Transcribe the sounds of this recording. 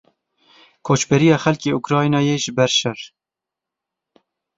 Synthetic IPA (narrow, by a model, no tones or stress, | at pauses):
kʰoːt͡ʃbɛɾijɑːxɛlkeːukɾɑːjnɑːjeːʒɪbɛɾʃɛr